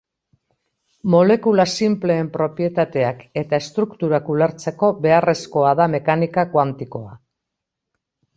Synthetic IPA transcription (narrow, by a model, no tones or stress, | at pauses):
mo̞le̞kulasimple̞ːmpɾo̞pje̞t̪at̪e̞ake̞t̪ae̞st̪ɾukt̪uɾakuleɾt͡se̞ko̞βe̞are̞sko̞aðame̞kanikakwant̪iko̞a